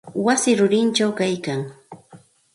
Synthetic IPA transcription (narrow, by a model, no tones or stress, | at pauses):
wasɪɾʊɾɪnt͡ʃawkajkaŋ